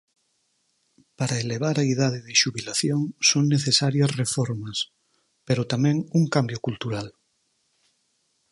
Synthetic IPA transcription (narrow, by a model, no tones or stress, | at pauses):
paɾaeleβ̞aɾɐiðað̞eðɪʃuβilaθjoŋsoŋneθesaɾjɐsrefɔɾmɐs | peɾot̪amɛ̃ŋuŋkambjokult̪uɾal